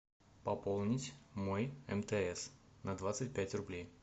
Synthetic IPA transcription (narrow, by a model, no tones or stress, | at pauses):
pɐpolˠnʲɪtʲmojɛmt̪ɛɛs | nɐd̪vat̪sɨt̚ʲpʲætʲrʊblʲej